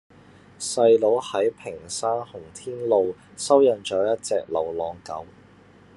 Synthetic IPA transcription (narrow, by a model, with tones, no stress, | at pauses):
sɐ˧jlo˨˥whɐ˨˥jpʰɪ˨˩ŋsaː˥nhʊ˨˩ŋt̪ʰiː˥nlo˨˧w | sɐ˥wjɐ˨˧nt͡ʃœː˨˥jɐ˥t̚t͡sɛː˧k̚lɐ̰˨˩wlɔː˨˧ŋkɐ˨˥w